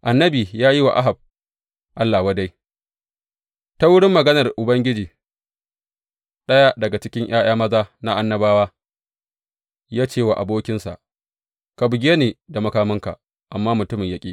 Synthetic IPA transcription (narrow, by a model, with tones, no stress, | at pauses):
ʔa˨nːɐ˦biː˨jaː˦ji˦wa̰˨ʔa˦ɦa˨b̚ | ʔa˦lːaː˨wa˦da˦j | ta˦wʊ˦ɽɪ˦mːɐ˨ɡɐ˦nɐ˨rʔʊ˨bɐ˦ŋɡʲɪ˦d͡ʒiː˨ | ɗɐ˦ja˦dɐ˨ɡa˨t͡ʃɪ˦kʲɪ˦ŋj̰aː˦j̰aː˦mɐ˦zaː˦na˦ʔa˦nːɐ˦baː˦waː˦ | jaː˦t͡ʃeː˦˨wa˨ʔa˨boː˦kʲɪ˦nsa̰˨ʔ | ka˨bʊ˨ɡʲe˦neː˨da˨mɐ˨kaː˦mɪ˦ŋka̰˨ | ʔa˨mːaː˦mʊ˨tʊ˦mɪ˨ɲjɐ˦kʲʼiː˦